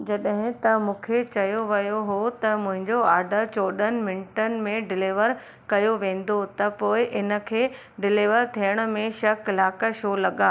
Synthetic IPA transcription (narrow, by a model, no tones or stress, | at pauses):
d͡ʑɐɗɦɪ̃t̪ɐmũːkʰet͡ɕɐjoʋɐjoɦot̪ɐmʊ̃ɦɪ̃ɲd͡ʑoaːɖʱət͡ɕoːɗənɪ̆mɪ̃nɪʈənɪ̆mẽɖɪleːʋəɾ | kɐjoʋẽːn̆d̪ot̪ɐpoːɪʔɪnə̆kʰeː | ɖɪlɪːʋəɾt̪ʰijəɽ̃ə̆mẽʃɐklaːkəʃoːlɐɠãː